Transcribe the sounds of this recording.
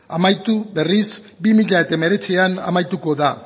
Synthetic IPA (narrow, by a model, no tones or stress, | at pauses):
amajt̪uβe̞ris | bimiʎae̞t̪aeme̞ɾe̞t͡siana̰majt̪uko̞ða